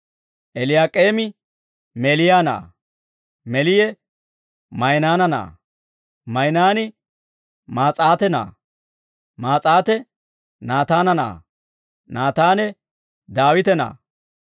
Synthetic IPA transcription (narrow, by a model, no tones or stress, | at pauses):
ʔɛlɪjaːkʼeːmɪ | melɪjaːna̰ː | mɛlɪjɛ | mɐjnaːnɐna̰ː | mɐjnaːnɪ | maːt͡sʼaːt̪ɛna̰ː | maːt͡sʼaːt̪ɛ | naːt̪aːnɐna̰ː | naːt̪aːnɛ | d̪aːwɪt̪ɛna̰ː